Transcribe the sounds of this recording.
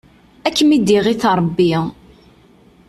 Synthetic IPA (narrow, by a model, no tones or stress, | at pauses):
ækːmid̪iʁiθɾˤbːi